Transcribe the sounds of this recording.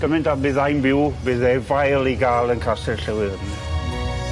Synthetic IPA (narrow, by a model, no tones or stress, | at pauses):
ɡ̥əmɪndabɨːðajnbɪwbɨːðɛvajlˠiɡaːlˠənkʰasɛrɬəwɪðn